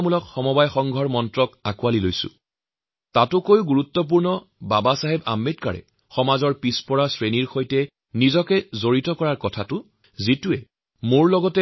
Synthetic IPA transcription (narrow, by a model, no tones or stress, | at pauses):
mulɔkxɔmɔbajxɔŋɡʱɔɹmɔntɹɔkakualilojsʊ̰ | tatʊkojuɡuɹut̪ːɔp̬uɹnɔ | babasaɦɛba̰mːet̚ka̰ɹɛ̰ | xɔmazɔɹpispɔɹasɹeniɹxojtɛ | nizɔkɛzoɹitɔkɔɹaɹkɔtʰatʊ | zituɛ | moɹlɔɡɔtɛ